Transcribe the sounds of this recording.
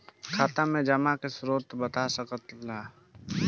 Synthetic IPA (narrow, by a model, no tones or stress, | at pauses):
kʰaːt̪amẽd͡ʒɐmakesɾoːt̪bət̪asəkət̪laː